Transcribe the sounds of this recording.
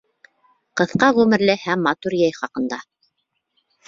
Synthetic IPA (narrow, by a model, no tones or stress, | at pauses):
qɤ̆θqɑʁʉmɘ̆ɾlɘhæmːɑt̪uɾjæjχɑqɤ̆nd̪ɑ